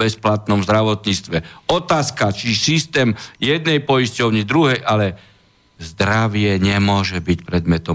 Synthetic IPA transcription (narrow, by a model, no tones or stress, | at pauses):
ɛsplat̪nɔmzd̪ɾaʋɔt̪ɲit͡st̪ʋɛɔt̪aːskat͡ʃisist̪ɛːmjɛd̪̚nɛjpɔjiscɔʊɲid̪ɾuɦɛjʔalɛ | zd̪ɾaʋɪɛɲɛmʊɔʒɛbicpɾɛd̪mɛt̪ɔ